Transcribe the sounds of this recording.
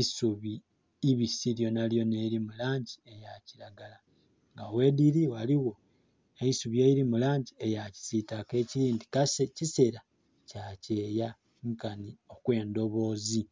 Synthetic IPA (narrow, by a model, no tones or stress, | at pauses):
isuβiː | βisiljo̞naljo̞ne̞iɾimulaːɲɟie̞jaciɾaɡala | ŋɡawe̞diɾiwaliwo̞ | eisuβje̞ːjiɾimulaːɲɟiejaci̥z̥itake̞ːciɾiːndikasecise̞ɾa | cace̞ːja | ŋkanio̞kwe̞ːndo̞βo̞ːzi